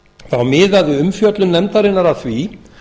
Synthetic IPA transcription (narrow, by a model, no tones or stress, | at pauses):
θawmɪːðaðɪʏmfjœt̪lʏnɛmt̪aɾɪnːaɾaθvi